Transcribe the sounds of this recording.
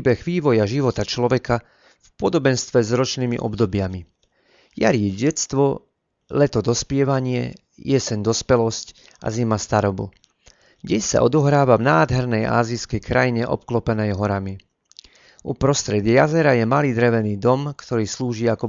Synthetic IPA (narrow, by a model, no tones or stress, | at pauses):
bɛɣʋiːʋɔjaʒiʋɔt̪at͡ʃlɔʋɛka | fpɔd̪ɔbɛnst̪ʋɛzɾɔt͡ʃniːmḭʔɔ̰bd̪ɔbɪami | ja̰ɾiɛɟɛst̪ʋɔ | lɛt̪ɔd̪ɔspɪɛʋaɲɪɛ̰ | jɛsɛnd̪ɔspɛlɔsc | ʔa̰zimast̪aɾɔbṵ | ɟɛsa̰ʔɔd̪ɔɦɾaːʋavnaːd̪ɦɛɾnɛjʔa̰ːziskɛjkɾajiɲɛʔɔ̰p̚klɔpɛnɛjɦɔɾami | ʔupɾɔst̪ɾɛd̪ɪajazɛɾajɛmaliːd̪ɾɛʋɛniːd̪ɔmkt̪ɔɾiːsluːʒiakɔ